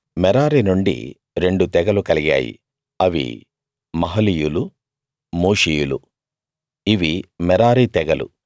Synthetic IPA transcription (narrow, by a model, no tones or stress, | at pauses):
mɛɾaːɾinuɳɖḭ | ɾe̞ɳɖut̪ɛɡɐlukɐliɡa̰ːjḭ | ɐʋḭ | mɐɦɐlijulu | moːʂiːjulu | iʋimɛɾaːɾit̪ɛɡɐlṵ